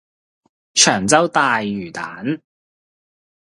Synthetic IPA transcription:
t͡ʃʰœː˨˩ŋt͡sɐ˥wt̪aː˨jːyː˨˩t̪aː˨˥n

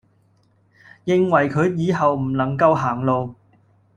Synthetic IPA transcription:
jɪ˧ŋwɐ˨˩jkʰɵ˨˧ɥjiː˨˧ɦɐ˨wm̩˨˩nɐ˨˩ŋkɐ˧wɦaː˨˩ŋlo˨˧w

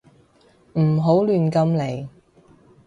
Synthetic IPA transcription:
m̩˨˩ɦo˨˥wlyː˨nkɐ˧mle˨˩j

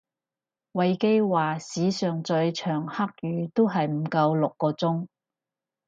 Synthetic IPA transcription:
wɐ˨˧jke˥jwaː˨˩siː˨˥sœː˨ŋt͡sɵ˧ɥt͡ʃʰœː˨˩ŋhɐ˥k̚jyː˨˧t̪o˥wɦɐ˨jm̩˨˧kɐ˧wlʊ˨kːɔː˧t͡sʊ˥ŋ

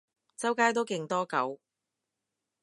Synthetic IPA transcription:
t͡sɐ˥wkaː˥jt̪o˥wkɪ˧ŋt̪ɔː˥kɐ˨˥w

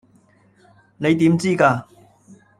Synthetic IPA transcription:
ne˨˧jt̪iː˨˥mt͡siː˥kaː˧

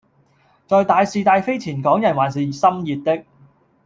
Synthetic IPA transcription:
t͡sɔː˨jt̪aː˨˧jsiː˧t̪aː˧jfe˥jt͡sʰiː˨˩nkɔː˨˥ŋjɐ˨˩nwaː˨˩ns̬iː˨sɐ˥mjiː˨t̚t̪ɪ˥k̚

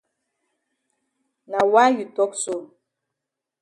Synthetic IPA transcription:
na˨wa˦ju˨tɔ˦k̚so˦˨

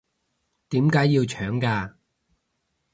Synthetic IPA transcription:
t̪iː˨˥mkaː˨˥jːiː˧wt͡ʃʰœː˨˥ŋkaː˧

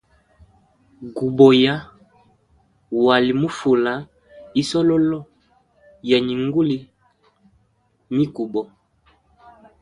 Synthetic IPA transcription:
ɡu˨bɔ˨ja˦ | wa˨li˨mu˦fu˨la˨˦ | i˦sɔ˦lɔ˦lɔ˦˨ | ja˨ɲi˨ŋɡu˦li˨ | mi˦ku˨bɔ˨

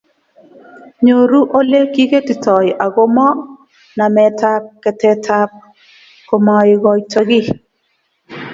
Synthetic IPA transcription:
ɲo˨ɾu˦ʔo˦le˦ki˦ke˦tɪ˨tɔ˨jʔa˨ɡo˦mɔ˦ | na˨mɛ˨ta˦p̚kːɛ˨tɛ˦tʰa˦p̚ | ko˨mɔ˨ɪ˨ɡɔ˨jta˦ɡɪ˦

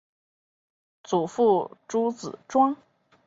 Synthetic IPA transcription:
t͡su˨˩fu˥˩ʈ͡ʂu˥t͡sɹ̩˨˩ʈ͡ʂwɑ˥ŋ

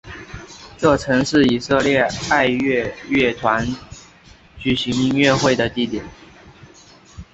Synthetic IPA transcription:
ʈ͡ʂɤ˥˩ʈ͡ʂʰɤ˧˥ŋʂɻ̩˥˩i˨˩sɤ˥˧ljɛ˥˧a˥˧ɪɥɛ˥˧ɥɛ˥˩t̪ʰwa˧˥n | t͡ɕy˨˩ɕi˧˥ŋi˥˧ŋɥɛ˥˧xwe˥˩ɪd̪ə˩t̪i˥˩t̪jɛ˨˩n

